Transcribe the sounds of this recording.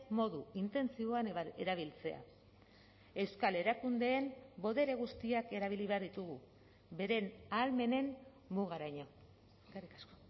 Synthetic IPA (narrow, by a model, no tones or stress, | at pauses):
mo̞ðuint̪e̞nt͡sio̞aneɾaβ̞ilt͡se̞a̰ | e̞wskale̞ɾakund̪e̞ːmbo̞ðe̞ɾe̞ɣust̪iake̞ɾaβ̞iliβe̞aɾðit̪uɣu | βe̞ɾe̞nalme̞ne̞m | muɣ̞aɾaɲo̞ | karikasko